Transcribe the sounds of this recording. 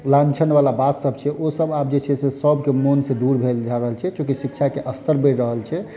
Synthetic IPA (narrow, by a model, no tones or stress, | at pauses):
lãnt͡ʃʰənbalabat̪səbt͡ʃʰɛʔosəbab̚d͡ʒet͡ʃʰɛsesəbʱkemonsẽd̪uɾbʱeld͡ʒaɾəɦəlt͡ʃʰɛt͡ʃõkisikt͡ʃʰakeʔəst̪ʰəɾbeɾəɦəlt͡ʃʰɛ